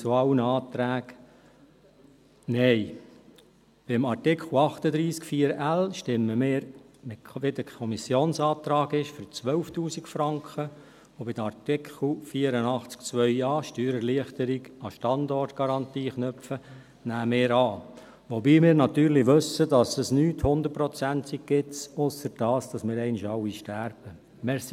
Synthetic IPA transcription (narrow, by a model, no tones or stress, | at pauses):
t͡suɑwənəɑːt̪ɾæːɡ | nɛɪ | b̥ɪmɑrtɪkχl̩ɑχt̪əd̪ɾiːskfiːəɾælʃtɪmːəmɪːɾ | mɪʋedəkʰɔmisjoːnsɑːt̪ɾɑːɡɪʃfʏɾt͡sʋœlftuːsɪkfɾɑŋkχə | obɪdɑrtɪkχl̩fiːəɾənɑχt͡skt͡sʋœʏɑːʃtyːɾəliəχtəɾiɡɑʃtɑndɔrtɡ̥ɑɾɑntiːχnœpfə | næːmɪːɾɑː | ʋɔbiːmɪːɾnɑt̪yːɾlɪʋɵsədɑsəsnyːthʊnd̪əɾ̚prɔt͡sæntik̚ɡɪtsʊsəɾd̥ɑːsd̥ɑsmɪːɾɛɪnɪʃɑwiʃtæɾb̥ə | mɛs